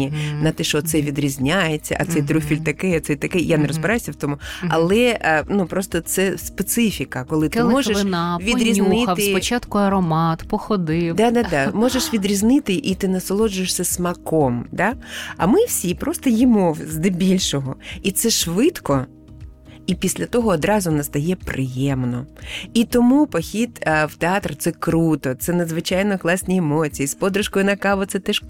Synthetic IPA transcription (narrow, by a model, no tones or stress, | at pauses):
inɐt̪ɛʃɔt̪sɛʋʲid̪ɾʲizʲnʲajet͡sʲːɐ̰ʔɐt̪sɛjt̪ɾʲufʲilʲt̪ɐkɛɐt̪sɛjt̪ɐkɛjaneɾɔzbɪɾajɪsʲɐwt̪ɔmʊɐ̰lˠɛʔnupɾɔst̪ɔt̪sɛspet̪sɪfʲikɐkɔlˠɪt̪ɪmɔʒeʃaʋʲiɾʲizʲnɪt̪ɪt͡ʃat̪kʊɐɾɔmɑt̪pɔxɔd̪ɪd̪ɑd̪ɑd̪ɑmɔʒeʃʋʲid̪ɾʲiznɪt̪ɪʔit̪ɪnɐsɔlˠɔd͡ʒʊjeʂsʲɐsmɐkɔmd̪ɑɐ̰mɪwsʲipɾɔst̪ɔjimɔwzd̪ɪbʲilʲʃɔɦɔit̪sɛʃʋɪt̪kɔ | ipʲisʲlʲɐt̪ɔɦɔːd̪ɾɑzʊnɐst̪ɐjɛpɾʔɪjɛmnɔit̪ɔmupɔxʲit̪wt̪eɑt̪rt̪sɛkɾut̪ɔt̪sɛnɐd̪zʋɪt͡ʃɑjnɔklˠɑsʲnʲiemɔt͡sʲijispɔd̪ɾʊʃkɔjʊnɐkɑʋɔt̪sɛt̪ɛʃ